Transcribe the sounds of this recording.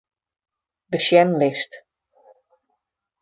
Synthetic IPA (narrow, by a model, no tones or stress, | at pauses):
dəʃjɛnlɪst